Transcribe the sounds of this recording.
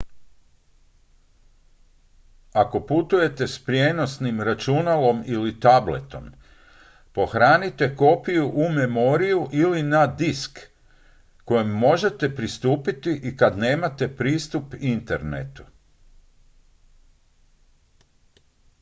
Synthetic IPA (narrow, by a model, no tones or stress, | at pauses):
ako̞put̪uje̞t̪e̞spɾje̞no̞snimɾat͡ʃunalo̞milit̪ablḛt̪o̞̰m | po̞xɾaːnit̪e̞ko̞pijuʔumemo̞ɾijuʔilinad̪iskː | o̞jemːo̞ʒe̞t̪e̞pɾist̪uːpit̪iʔikad̪ne̞ːmat̪e̞pɾiːst̪upint̪ḛɾnḛt̪u